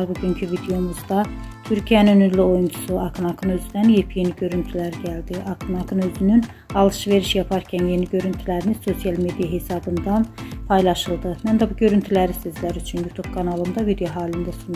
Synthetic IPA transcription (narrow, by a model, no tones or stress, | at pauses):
buɟyncʰyvid̪eo̞muzd̪ɑt̪ʰyɾcʰijænynyɾlio̞junt͡ʃʰu̥suɑkʰnɑkʰɯnø̞zyd̪ænjepʰije̞niɟø̞ɾynt̪ʰylæɾɟæld̪iʔɑkʰɯnɑkʰɯnø̞zynyn | ɑlˠɯʃve̞ɾiʃjɑpʰɑɾcʰænje̞niɟø̞ɾynt̪ʰylæɾiniso̞sijɑlˠme̞d̪ijɑɦe̞sɑbɯnd̪ɑnpʰɑjlˠɑʃɯlˠd̪ɯmænd̪æbuɟø̞ɾynt̪ʰylæɾisøzlæɾyt͡ʃʰynjut̪ʰub̥kʰɑnɑlˠɯnd̪ɑvid̪ejoɦɑːlind̪æsun